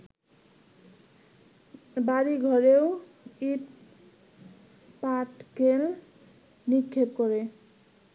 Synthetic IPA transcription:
baɾiɡʱɔɾew | ip | paʈkel | nikʰːep̚kɔɾe

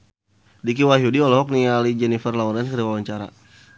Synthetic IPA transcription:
dik̬iwaɦiudiɔlɔɦɔk̚nialid͡ʒɛnifərlaɔɾɛnkəɾiwawaɲt͡ʃaɾa̰

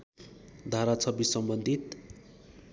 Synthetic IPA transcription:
d̪ʱaɾat͡sʰʌbisʌmbʌnd̪ʱit̪

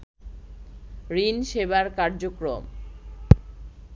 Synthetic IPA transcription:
ɾinʃebaɾkaɾd͡ʑokɾo̰m

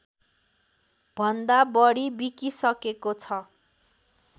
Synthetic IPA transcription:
b̥ʱʌnd̪abʌɽibikisʌkekot͡sʰʌ

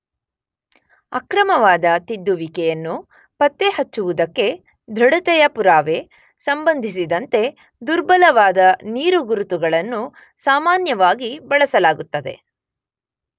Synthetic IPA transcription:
ɐkɾɐmɐʋaːd̪ɐt̪id̪ːuʋikɛjɐnːu | pɐt̪ːehɐt͡ʃːuʋud̪ɐkːe̞ | d̪ʱɾɐɽɐt̪ɛjɐpuɾaːʋe̞ | sɐmbɐnd̪ʱis̬id̪ɐnt̪e̞ | d̪uɾbɐlɐʋaːd̪ɐniːɾuɡuɾut̪uɡɐɭɐnːu | saːmaːnjɐʋaːɡibɐɭɐsɐlaːɡut̪ːɐd̪e̞̰

